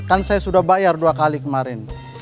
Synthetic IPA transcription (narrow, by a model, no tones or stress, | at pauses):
kansajasudahbajarduakalikəmaɾɪn